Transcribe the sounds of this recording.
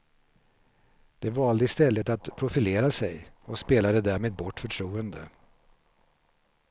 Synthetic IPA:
d̪̥ɛvɑːld̪əɪst̪ɛlːət̪at̪pʰɾʊfɪleːɾasɛjɔspeːlad̪əd̪æːɾmeːd̪̚bɔʈːfœʈʰɾuːənd̪ə̰

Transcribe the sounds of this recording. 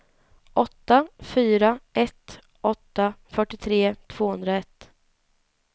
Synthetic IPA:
ʔɔt̪ːafyːɾaʔɛt̪ | ʔɔt̪ːafœʈːɪt̪ʰɾeːt̪ʰv̥oːhɵnd̪ɾaɛt̪ː

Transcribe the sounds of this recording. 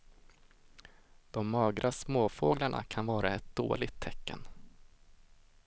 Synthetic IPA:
d̪̥ɔmːɑːɡɾʔasmoːfoːɡlaɳa̰kʰanvɑːɾaɛt̪̚d̪̥o̰ːlɪɡt̪ʰːɛkːə̰n

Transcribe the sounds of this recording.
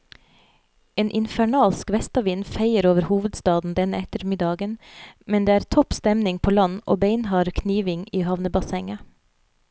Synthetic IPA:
eːnʔɪnfæɳɑːlskʋɛst̪ɑʋɪːnfeɪəɾoːʋəɾhuːʋəd̪st̪ɑːd̪n̩d̪ɛnəɛt̪əɾmɪd̪ɑːɡənmɛnd̪eːæːɾt̪ʰɔpst̪ɛmnɪŋpʰoːlɑnʔo̰ːbeɪnhɑːɾkʰniːʋɪŋiːhɑʋnəbɑsɛŋə

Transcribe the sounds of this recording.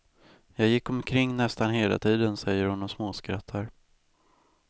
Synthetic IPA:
jɑːɡjɪkːɔmkʰɾɪŋːnɛst̪anɦeːla̰t̪ʰiːd̪ənsɛjːəɾhʊnɔsmoːskɾat̪ʰːaɾ

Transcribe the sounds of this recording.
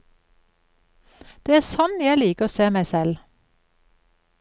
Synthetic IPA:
d̪̥eːæːsɔnjæɪliːkəoːseːmæɪsɛl

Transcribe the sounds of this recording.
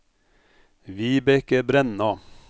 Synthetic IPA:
ʋiːbɛkəbɾɛnɑ

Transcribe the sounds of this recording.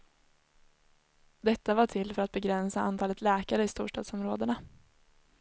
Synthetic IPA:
d̪ɛt̪ːavaʈʰɪlːfœɾat̪̚bɛɡɾɛnsaant̪ʰɑːlət̪lɛːkaɾəɪst̪ṵːʂʈɑ̰ːd̪sɔmɾoːd̪əɳa

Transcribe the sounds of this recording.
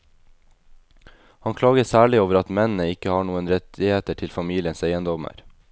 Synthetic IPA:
hɑnkʰlɑːɡəsæːɭɪoːʋəɾɑt̪mɛnn̩əɪkəhɑːɳuːənɾɛt̪ʰɪheːt̪əʈʰɪlfɑmiːlɪənseɪənd̪ɔmə̰ɾ

